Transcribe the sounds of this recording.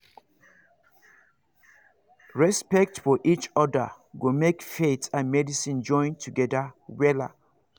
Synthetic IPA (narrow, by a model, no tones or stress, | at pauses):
ɹɛspɛk̚tfɔʔit͡ʃɔdə̰ | ɡomekfetʰãnmɛdisĩnd͡ʒɔ̃ɪ̃ntʰuɡɛdawɛla̰